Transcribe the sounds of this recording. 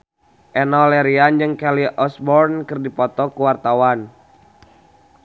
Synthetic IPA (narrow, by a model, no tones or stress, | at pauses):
ʔɛnɔlɛɾiand͡ʒɨŋkɛliʔɔsbɔrnkɨrdipɔt̪ɔkuwart̪awan